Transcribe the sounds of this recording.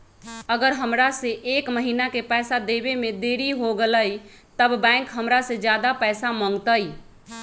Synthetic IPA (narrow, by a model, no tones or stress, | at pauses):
əɡəɾɦəmɾasẽʔekməɦinakepɛːsad̪ebemed̪eɾiɦoɡələj | t̪əbbɛ̃ŋkɦəmɾasẽd͡ʒjad̪apɛsamə̃ŋɡt̪əj